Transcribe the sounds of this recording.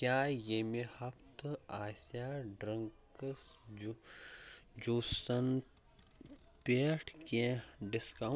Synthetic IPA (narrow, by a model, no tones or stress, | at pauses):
kjaːjeːmehɐpt̪aːsjaːɖɾɐŋkəs | d͡ʒuːsɐn | peːʈʰkeɖɪska